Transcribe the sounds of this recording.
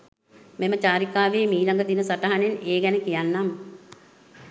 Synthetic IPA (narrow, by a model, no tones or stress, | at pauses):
memət͡ʃaːɾikaːʋeːmiːlaŋɡəd̪inəsaʈaɦaneneːɡɛnəkijanːamə